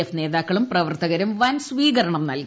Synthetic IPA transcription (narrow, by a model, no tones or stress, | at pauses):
efne̞ːðaːkːɐɭumprɐʋɐrt̪ɐɣɐɾumʋɐnsʋiːɣɐɾɐɳɐmnɐlk